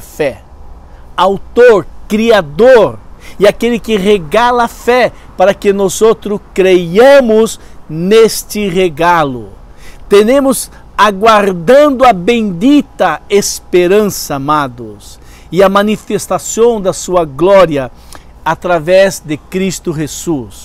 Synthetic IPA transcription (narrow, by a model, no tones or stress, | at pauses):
fɛ | awt̪oɾkɾiad̪oɾɪakelɪkɪʁeɡalɐfɛ | paɾɐkɪnɔzot̪ɾʊkɾejɐ̃mʊz | nest̪ɪʁeɡalʊ | t̪enẽmʊz | aɡwaɾd̪ɐ̃nd̪ʊɐbẽj̃d̪it̪ɐespeɾɐ̃sɐːmad̪ʊs | ɪɐmɐ̃nifest̪asõw̃d̪ɐsuɐɡlɔɾiɐ | at̪ɾavɛzd̪ɪkɾist̪ʊʒez̥us